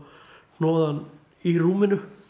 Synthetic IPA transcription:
nɔːðan | iruːmɪnʏ

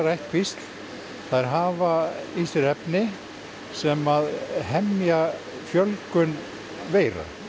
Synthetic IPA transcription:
ɾajht̪kʰvist̪l | θaɾɦaːvaist̪ɪɾɛpnɪ | sɛmaðɦɛmːja | fjœlkʏn | veːjɾa̰

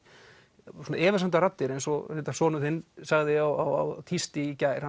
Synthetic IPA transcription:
sɔnaɛːvɪ̥ɾsant̪aɾat̪ːɪɾejnsɔɪt̪ḁsɔːnʏθɪnːsaɣðɪawa̰wa̰wt̪ʰist̪ɪcajɾ̥ha

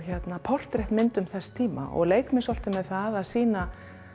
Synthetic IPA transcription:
çɛt̪napʰɔr̥t̪ɾeht̪mɪnt̪ʏmθɛst̪ʰiːma̰ʔɔ̰ɣleːjkmɪsɔl̥t̪ɪmːɛðθaðaðsiːna

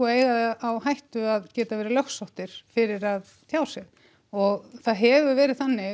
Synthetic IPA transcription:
ɔeːjɣaðawhajht̪ʏaðcɛːt̪avɛːɾɪlœxsɔht̪ɪɾ̥fɪɾɪɾað | t̪ʰjaːwsjɛɣ | ɔɣθaðɦɛvʏvɛːɾɪðθanːɪ

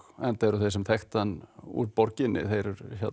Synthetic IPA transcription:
ɛnt̪aɾʏθejsɛmt̪ʰɛxt̪anṵɾpɔɾcɪnːɪ̰θejɾʏɾça

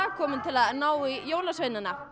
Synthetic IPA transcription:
akʰɔːmɪnt̪ʰɪlaðnaːwijoːwlasveːjnɪna

